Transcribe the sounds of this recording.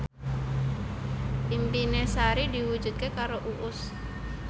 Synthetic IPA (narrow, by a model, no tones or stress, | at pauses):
ʔimpinesaɾidiwud͡ʒut̪̚kekaɾoʔuʔʊs